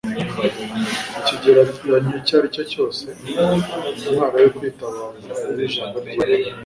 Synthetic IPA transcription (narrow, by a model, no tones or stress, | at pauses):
iciɟeɾaijaɲucaːɾico̞co̞ːse | nanaɾajokwiːtaβaːnauβiʒaːŋɡaaɾe